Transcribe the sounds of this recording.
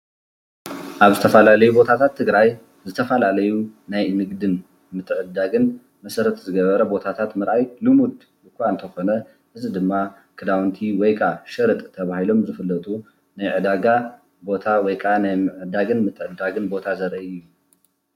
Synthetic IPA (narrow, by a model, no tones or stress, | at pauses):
ʔaβzɨt̪ʰɐfɐlalɐjubo̞t̪ʰat̪ʰat̪ʰːɨɡɾaj | zɨt̪ʰɐfɐlalɐjunajnɨɡd̪ɨn | mɨt̪ʰːɨʕɨd̪aɡɨn | mɐsɐɾɐt̪zɨɡɐβɐɾɐbo̞t̪ʰat̪ʰat̪mɨɾʔajlɨmud̪ | bɨkʰʷaɨnt̪ʰɐxo̞nɐ | ʔɨzid̪ɨmːa | kʰɨd̪awnt̪ʰiwɔjkʼaʃɐɾɨt̪ʼt̪ʰɐβahilo̞mzɨfɨlːɐt̪ʼu | najʕɨd̪aɡa | bo̞t̪ʰawɔjkʼanajmɨʕɨd̪aɡɨnmɨt̪ʰːɨʕɨd̪aɡɨnbo̞t̪ʰazɐɾɐʔɨjːu